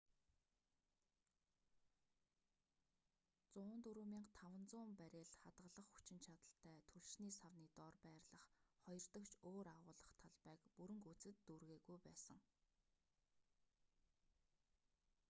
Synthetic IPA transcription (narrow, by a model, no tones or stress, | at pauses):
t͡sʊːnt̪uɾuːmiːŋt̪ʰawə̆nt͡sʊːmpæɾʲeːɮχat̪ʁə̆ɮə̆χxu̥t͡ɕɪ̆nt͡ɕʰat̪ə̆ɬt̪ʰæːt̪ʰɵɮʃniːsawniːt̪ɔːrpæːrɮə̆χχɔjɞ̆rt̪ə̆kt͡ɕʰoːɾaʁʊːɮə̆χt̪ʰaɮpæːkpuɾɘ̆ŋkut͡sɘ̆t̪ːurɣeːɣujpæːsə̰̆ŋ